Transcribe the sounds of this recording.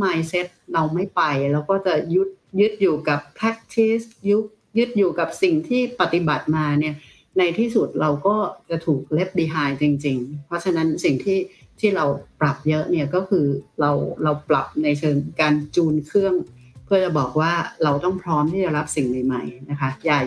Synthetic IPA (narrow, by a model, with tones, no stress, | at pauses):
maː˧jse˦˥t̪̚ɾa˧wma˥˩jpa˧jlɛː˦˥wkɔː˥˩t͡ɕa˨˩ju˦˥t̪̚jɯ˦˥t̪̚juː˨˩ka˨˩pʰːɾa˦˥k̚t̪ʰi˦˥sju˦˥k̚ | jɯ˦˥t̪̚juː˨˩ka˨˩p̚si˨˩ŋt̪ʰiː˥˩pa˨˩t̪i˨˩ba˨˩t̪̚maː˧ni˥˩ɐ | na˧jt̪ʰiː˥˩su˨˩t̪̚ɾa˧wkɔː˥˩t͡ɕa˨˩t̪ʰuː˨˩k̚le˦˥p̚diː˧ɦaː˧jt͡ɕi˧ŋt͡ɕi˧ŋpʰɾɔ˦˥t͡ɕʰa˧na˦˥nsi˨˩ŋt̪ʰiː˥˩t̪ʰiː˥˩ɾa˧wpɾa˨˩p̚jɤ˦˥ʔni˥˩ɐkɔː˥˩kʰɯː˧ɾa˧wɾa˧wpla̰˨˩p̚na˧jt͡ɕʰɤː˧ŋkaː˧nt͡ɕuː˧nkʰɾɯ˥˩əŋ | pʰɯ˥˩ɐt͡ɕa˨˩bɔː˨˩k̚waː˥˩ɾa˧wt̪ɔ˥˩ŋpʰɾɔː˦˥mt̪ʰiː˥˩t͡ɕa˨˩ɾa˦˥p̚si˨˩ŋma˨˩jma˨˩jna˦˥kʰa˦˥jaː˨˩